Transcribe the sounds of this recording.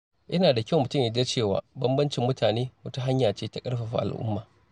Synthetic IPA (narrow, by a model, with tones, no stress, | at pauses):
ʔɐ˦naː˨da˨kʲɪ˦wmʊ˨tʊ˦mjɐ˦d͡ʒɐ˦t͡ʃeː˦˨wa̰ː˨˦bɐ˦mbɐ˦nt͡ʃɪ˨mːʊ˦tʰaː˨neː˦wɐ˦tu˦ɦa˦ɲjaː˨t͡ʃeː˦ta˦kʼɐ˦ɽɸa˨ɸa̰˨ʔa̰˨lʔʊ̰˦mːaː˨